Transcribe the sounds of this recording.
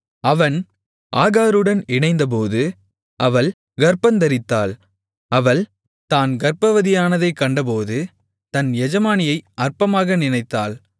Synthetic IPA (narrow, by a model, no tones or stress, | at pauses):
ɐʋɐn | ʔaːɣaːɾɯɽɐnɪɳɐɪnd̪ɐp̬oːðɯ | ʔɐʋɐl | ɡɐɾpɐnd̪ɐɾɪt̪ːa̰ːl | ɐʋɐɭ | t̪aːnɡɐɾpɐʋɐðɪjaːnɐðɐɪkːɐɳɖɐp̬oːðɯ | t̪ɐnjɛd͡ʒɐmaːnɪjɐɪɐrpɐmaːɣɐnɪnɐɪt̪ːaːl